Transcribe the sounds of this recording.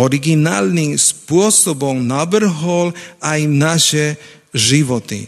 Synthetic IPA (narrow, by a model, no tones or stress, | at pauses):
ɔɾiɡinaːlniːmspʊɔsɔbɔwnabr̩ɦɔlajnaʃɛ | ʒiʋɔt̪ḭ